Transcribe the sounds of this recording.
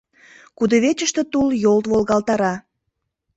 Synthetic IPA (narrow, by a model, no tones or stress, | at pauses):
kud̪oβet͡ɕəʃt̪ə̆t̪uljolt̪βolɣɑlt̪ɑɾɑ